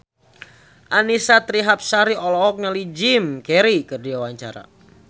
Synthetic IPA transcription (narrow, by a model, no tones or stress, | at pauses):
ʔanisat̪ɾiɦap̚saɾiʔɔlɔɔk̚nalid͡ʒimkɛɾikɨrdiwawaɲt͡ʃa̰ɾa̰